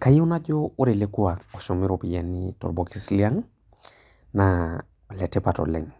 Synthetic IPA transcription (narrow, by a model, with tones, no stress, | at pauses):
ka˨ji˦una˦ɟooɾe˨le˦ku˦ao˨ʃo˨mi˦ɾopi˨janito̰˨ɾbokislia˦ŋ | na | le˨te˦pa˨to̰lɛ̰˨ŋ